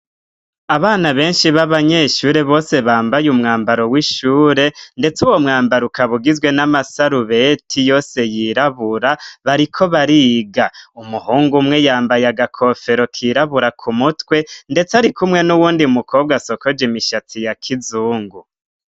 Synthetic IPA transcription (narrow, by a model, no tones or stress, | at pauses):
aβaːnaβe̞ːnʃiβaβaɲe̞ʃuːɾe̞βo̞ːse̞βaːmbajumŋaːmbaɾo̞wiʃuːɾe̞nde̞t͡suwo̞mŋaːmbaɾukaβuɡizɡwe̞namasaɾuβe̞tʰijo̞ːse̞jiɾaβuɾaβaɾikʰo̞βaɾiːɡaumuhuːŋɡumŋe̞jaːmbajaɡakʰo̞fe̞ɾokʰiɾaβuɾakʰumutwe̞nde̞t͡saɾikumŋe̞nuwuːndiumukʰo̞ːb̚ɡaso̞ko̞d͡ʒimiʃatʰijakʰizuːŋɡu